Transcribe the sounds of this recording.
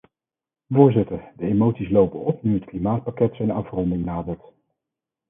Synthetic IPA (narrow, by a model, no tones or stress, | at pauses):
vʊːɹzɪtəɹdəemowtsislowpənɔpnyɦətklimaːt̚pakɛtsɛjnɑfrɔndɪŋnaːdəɹt